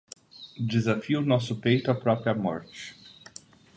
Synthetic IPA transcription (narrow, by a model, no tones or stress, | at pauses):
d͡ʒezafiʊnɔsʊpejt̪ʊapɾɔpɾiɐmɔ̰ɾt͡ʃɪ̥